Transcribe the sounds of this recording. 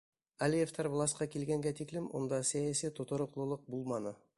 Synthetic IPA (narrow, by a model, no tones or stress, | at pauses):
ælijeft̪ʰɑɾvlˠɑsqɑkʲʰelɡʲeŋɡʲet̪ʰiklɪmwʔo̞̰nd̪ɑsæjæsijt̪ʰːot̪əɾə̆qlˠəlˠəq̚bulˠmɑnə